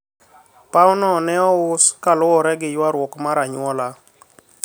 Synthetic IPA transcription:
paʊnɔnɛɔʊskalʊɔɾɛɡɪjwaɾwɔkmaɾaɲwɔla

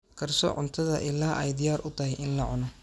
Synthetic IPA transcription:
kʰɐrsɔ̰ːʕʊnt̪ʰɐðɐʔɪlaːʔɛjd̪ɪjaːɾʔʊt̪ʰɐɦɪjɪnlɐʕʊnɔ

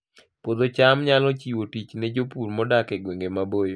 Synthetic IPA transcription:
pod̪ot͡ʃamɲalɔt͡ʃiwotit͡ʃnɛd͡ʒopuɾmɔdakɛɡweŋɡemabojo

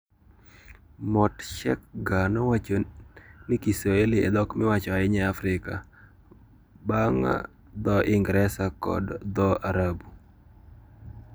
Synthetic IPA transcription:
mɔtʃɛ̰kɡanɔwat͡ʃonɪkisɔeliɛ̰d̪ɔkmɪwat͡ʃɔaɪɲɛafɾɪka | baŋa̰ | d̪ɔʔɪŋɡɾɛsakɔ̰dd̪ɔʔaɾabu

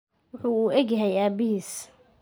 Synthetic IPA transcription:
wʊħʊuːʔɛɡjɐɦɛjaːbɪɦiːs

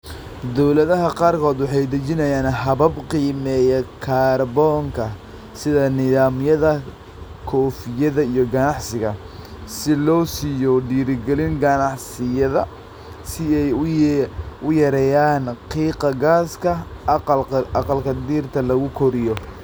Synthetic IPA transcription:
d̪ɔwlɐðɐɦɐqɑːrkʰɔːd̪wɑħɑjd̪ɐt͡ʃɪnɐjaːnɦɐβɐbqiːmɛːjɛkʰaːrbɔːŋkʰɐ | sɪðɐnɪðaːmjɐðɐ | kʰɔːfɪjɐðɐijɔɡɐnɑʕsɪɣɐ | sɪlɔːsijɔɖiːɾɪɡɛlɪŋɡɐnɑʕsɪjɐðɐ | sɪɛj | ʊjɐɾɛːjaːnqiːqɐɡaːskʰɐ | ɑqɑlkʰɐd̪iːrt̪ʰɐlɐɣʊkʰɔɾɪjɔ

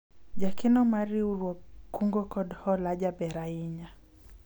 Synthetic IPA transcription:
d͡ʒakinɔmaɾiuɾwɔkuŋɡɔkɔdhɔlaʄabɛɾaiɲa

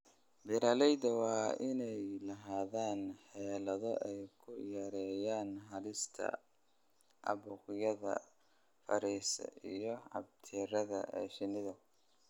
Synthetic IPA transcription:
bɪɾɐːlɛjd̪ɐwɑːʔɪnɛjlɐɦaːðaːnħɛːlɐðɔʔɛjkʰʊjɛɾɛːjaːnɦɐlɪst̪ʰɐ̰ | ʔɐ̰βuːqɪjɐðɐ̰ | fɐ̰ɾiːsɐ̰ijɔʕɑ̰b̚t̪ʰiːɾɐðɐ̰ʔɛ̰ʃɪnɪðɐ

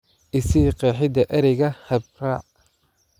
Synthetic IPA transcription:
ʔɪsiːqɛːħɪd̪ɐʔɐɾɛjɣɐhɐb̚raː

